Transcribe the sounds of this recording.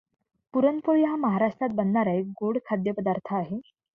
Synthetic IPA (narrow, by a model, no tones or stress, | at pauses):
puɾənpoɭiɦaməɦaɾaʂʈɾat̪̚bənːaɾaeɡoɽkʰad̪jəpəd̪aɾt̪ʰəaɦe